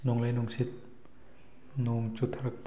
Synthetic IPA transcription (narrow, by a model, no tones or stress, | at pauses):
nuŋlejnuŋsit̪̚ | nuŋt͡ɕut̪ʰɾɐk̚t